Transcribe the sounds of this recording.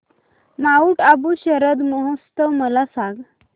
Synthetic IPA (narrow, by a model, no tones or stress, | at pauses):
nauːʈabuɕəɾəd̪məɦəst̪əʋməlasãɡ